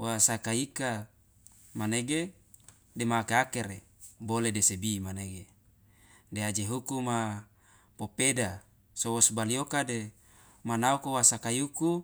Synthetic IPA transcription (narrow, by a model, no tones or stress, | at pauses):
wasakaika | maneɡe | demakeakeɾe | boledesebimaneɡe | dead͡ʒeɦukuma | popeda | sowosbaliokade | manaukowasakajuku